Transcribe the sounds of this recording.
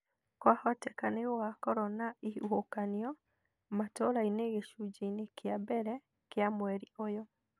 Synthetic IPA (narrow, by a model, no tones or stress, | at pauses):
kwahɔtɛkanewakɔɾɔnaiuhokaniɔ | matɔɾaineɣeʃud͡ʒeinekeabɛɾɛ | keamwɛɾiojɔ